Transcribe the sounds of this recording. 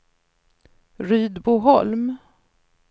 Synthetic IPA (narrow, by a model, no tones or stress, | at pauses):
ɾyːd̪buɦɔlm